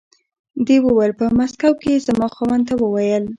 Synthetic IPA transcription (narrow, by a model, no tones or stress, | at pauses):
d̪ewəwəlpəmaskawkezamɑxawant̪awəwajəl